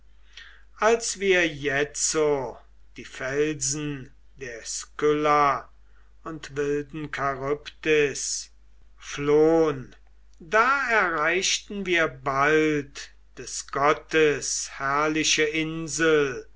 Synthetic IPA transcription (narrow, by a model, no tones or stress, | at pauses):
ʔalsv̥iːɐjɛt͡so | d̥iːfɛlzn̩ | deːɐskʏlɐ | ʊntvɪldn̩kʰaʁʊptɪs | floːən | daːɛɐʁaɪʃtn̩viːɐbalt | d̥ɛsɡ̥ɔtəshæɐlɪʃəʔɪnzəl̩